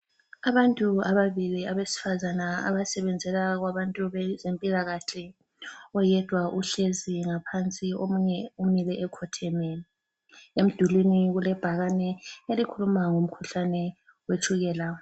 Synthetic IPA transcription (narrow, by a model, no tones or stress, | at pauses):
aβantʼuaβaβiliaβesi̥fazanaa̰βasɛβɛnd͡zʱɛlaɣwaβantʼuβɛzempʼilaɣaɬɛ | ɔjɛd̥ʱwaʔuɬeziŋapʰant͡sʼiomuɲɛumilɛʔɛkʰɔtʰemɛ | em̩d̥ʱulwiniɣulɛb̥ʱaɣanɛelikʰulumaŋom̩kʰuɬanɛ | wet͡ʃʰʼuɣɛːla